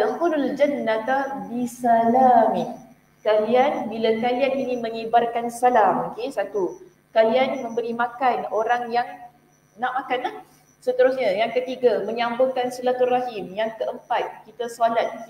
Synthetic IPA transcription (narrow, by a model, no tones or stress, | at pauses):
əmkunald͡ʒanːãt̪abisalami | kalianbilakalianinĩmə̃ŋibarkansalamokesat̪u | kalianmə̃mbəɾimãkanoɾaŋjaŋ | naʔmakanlah | sət̪əɾusɲajaŋkət̪iɡaməɲambʊŋkansəlat̪uraɦɪmjaŋkəʔəmpat̪̚kit̪asalat̪̚